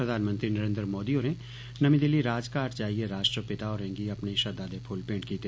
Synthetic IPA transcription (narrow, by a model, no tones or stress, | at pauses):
ɾɐd̪ʱaːnmə̃nt̪ɾinɐɾẽːnd̪ɾmoːd̪ioːɾẽ | nɐmĩd̪ɪlːiɾaːd͡ʒkaːʈt͡ʃaːɦieɾaːʃʈɾəpɪt̪aɔːɾɛ̃ŋɡiɐpneʃɐd̪aːd̪epʰʊlpẽːɳʈkit̪e